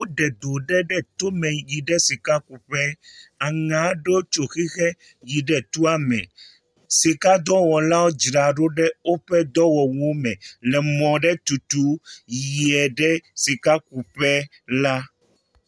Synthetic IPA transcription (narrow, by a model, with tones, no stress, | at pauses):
wo˦ɖɛ˨d̪o˨ɖɛ˦ɖɛ˦t̪o˦mɛ̃˨ji˨ɖɛ˦si˨ka˦ku˨ɸɛ˦a˨ŋã˨˦ɖo˦t͡ʃo˨xi˦xɛ˦ | ji˨ɖɛ˨t̪u˦a˦mɛ̰̃˨ | si˨ka˦d̪ɔ˦wɔ˨la˦wo˦d͡ʒɾa˨ɖo˦ɖɛ˦o˦ɸɛ˦d̪ɔ˦wɔ˨wo˦mɛ̃˨lɛ˨mɔ̃˨ɖɛ˦t̪u˨t̪u˦ji˨ɛ˨ɖɛ˦si˨ka˦ku˨ɸɛ˦ | la˦